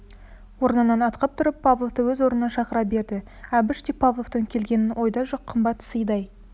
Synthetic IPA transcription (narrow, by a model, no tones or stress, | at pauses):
wo̞ɾənənɑnɑt̪qɑp̚t̪ʰʊɾəpʰːavlˠovt̪əwɵzwo̞ɾnənɑʃɑqəɾɑp̚be̞ɾd̪ɪ | æbɪʃt̪epʰavlˠovt̪əŋkʲʰe̞lɡʲe̞nɪnʔo̞jd̪ɑʒoqʰːəmbɑt̪ːsəjd̪ɑj